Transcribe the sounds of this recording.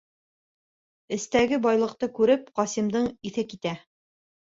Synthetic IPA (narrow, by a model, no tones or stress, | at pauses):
ɘ̆st̪æɡɘbɑjlˠɤ̆q̚t̪ɤkʉɾɘp̚qɑsimd̪ɤɴiθɘkit̪æ